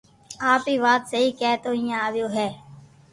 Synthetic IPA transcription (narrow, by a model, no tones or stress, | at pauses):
aːpiːʋaːt̪səɦiːkɛːt̪oːɦɪ̃ːãːaːʋɪjoːɦɛː